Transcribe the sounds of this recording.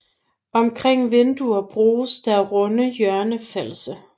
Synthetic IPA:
ɒ̽mkʰʁeŋ̰ʋend̥uɐb̥ʁuːsd̥æʁɔnəjœɐnəfel̰sə

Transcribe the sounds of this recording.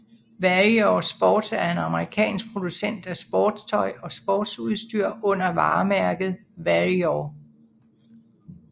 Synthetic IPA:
ʋæʁiɒsb̥ɒːd̥sæɐe̝nɑ̈məʁikʰɛ̰ːnsɡ̥̚pʰʁo̝d̥usen̰d̥æsb̥ɒːd̥st͡sʰɒ̽ɪɒ̽sb̥ɒːd̥suðˠsd̥yɐ̰ɔ̽n̰ɐʋɑ̰̈ːmæɐɡ̥ð̞̩ˠʋæʁiɒ

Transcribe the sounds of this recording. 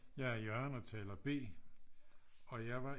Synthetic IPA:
jɑ̈ɪæɐjɶɐnɒt͡sʰɛ̰ːlɐb̥e̝̰ː | ɒ̽jɑ̈ɪʋɑ̈

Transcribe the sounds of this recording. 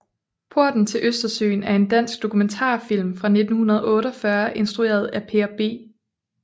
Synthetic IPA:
pʰo̝ɐ̰d̥n̩t͡sʰe̝lʔøsd̥ɐsø̰ːnæɐe̝nd̥æn̰sɡ̥̚d̥o̝kʰument͡sʰɑ̰̈ːfil̰mfʁɑ̈ne̝d̥n̩hunɐð̞ˠɔ̽ːɾɒfɶɐʔe̝nsd̥ʁue̝̰ːɐð̞̩ˠæpʰe̝ɐb̥e̝̰ː

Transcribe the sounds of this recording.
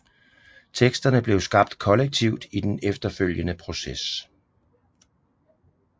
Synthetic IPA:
t͡sʰeɡ̥sd̥ɐnəb̥le̝ʊsɡ̥ɑ̈b̥d̥kʰɒ̽leɡ̥̚t͡sʰiʊ̰d̥id̥enefd̥ɐføl̰jənəpʰʁo̝ses

